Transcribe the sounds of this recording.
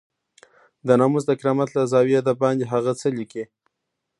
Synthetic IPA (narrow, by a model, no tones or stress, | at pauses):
d̪ənɑmuzd̪əkɾɑmat̪lazɑwiad̪ab̚ɑnd̪iɦaɣat͡səliki